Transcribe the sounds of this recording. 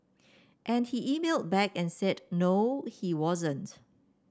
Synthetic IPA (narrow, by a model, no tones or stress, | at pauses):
ʔɛ̃nhiʔimelˠd̚bɛkɛ̃nsɛdnohiwɔzə̃nt